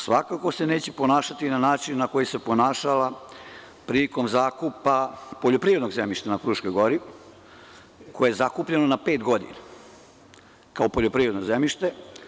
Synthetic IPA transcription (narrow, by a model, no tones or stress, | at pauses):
sʋakako̞se̞ne̞ːt͡ɕeponaːʃat̪inanaːt͡ʃinːako̞jise̞ponaːʃala | pɾiliko̞mzaːkupapo̞ʎo̞pɾiːɾe̞d̪no̞ɡzemiʃt̪anapɾuːʃkojɡo̞ɾi | kojeezakupʎenonape̞ːt̪ɡo̞d̪ḭna | kaopo̞ʎopɾiːɾed̪nozemiʃt̪e̞